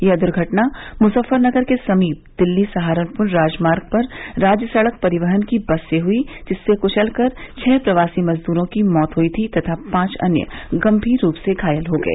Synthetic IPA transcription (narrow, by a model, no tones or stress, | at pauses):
jed̪ʊɾɡʱɐʈnamʊsəfːəɾnɐɡəɾkesɐmiːp̚d̪̥ɪlːisɐɦaːɾənpʊnɾaːd͡ʒmaːɾɡ̚pɐɾɾaːd͡ʒjəsɐɭək̚pɐɾɪʋəɦənkibɐsːeɦʊid͡ʒɪsːekʊʃəlkɐɾt͡ʃʰɛːpɾɐʋaːsimɐzd̪uːɾõkimɔːt̪ɦuit̪ʰit̪ɐt̪ʰapãːt͡ʃɐ̰njə̰ɡɐ̃mbʱiːɾːuːpseɡʱaːjəlɦoːɡɐ̰ḛː